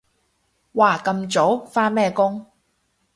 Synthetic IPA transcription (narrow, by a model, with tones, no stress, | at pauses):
waː˨˩kɐ˧mt͡so˨˥wfaː˥nmɛː˥kʊ˥ŋ